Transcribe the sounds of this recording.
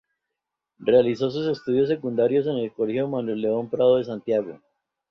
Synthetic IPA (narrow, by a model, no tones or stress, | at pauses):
re̞aliso̞s̬use̞st̪uðjo̞s̬e̞kund̪aɾjo̞s̬e̞ne̞lko̞leçjomanwelːeo̞mpɾaðoðe̞s̬ant̪jaɣo̞̰